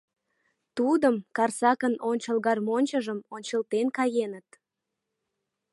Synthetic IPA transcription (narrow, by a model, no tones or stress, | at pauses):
t̪ud̪əmkɑrsɑkənonʲt͡ɕəlɣɑrmonʲt͡ɕəʒəmonʲt͡ɕəlt̪enkɑjenət̪